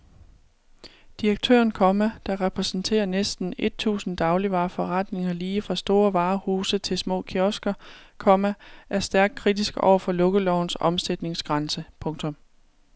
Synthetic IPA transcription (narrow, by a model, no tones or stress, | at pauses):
d̥iʁɐɡ̥̚t͡sʰø̰ɐnkʰɒ̽mæd̥ɑ̈ʁɛpʰʁɛsn̩t͡sʰe̝̰ːɐnesd̥n̩e̝d̥̚t͡sʰṵːsn̩d̥ɑ̈ʊliʋɑ̈ːfɒ̽ʁɑd̥ne̝ŋɐliːfʁɑ̈sd̥o̝ːɐʋɑ̈ːhuːsət͡sʰe̝lsmɔ̰̽ːkʰiɒ̽sɡ̥ɐkʰɒ̽mæʔæɐsd̥æɐɡ̥̚kʰʁid̥isɡ̥ɒ̰ʊɐfɒ̽lɔ̽ɡ̥əlɒʊ̰n̩sɒ̽msed̥ne̝ŋsɡ̥ʁɑnsəpʰɔ̽ŋt͡sʰɔ̽m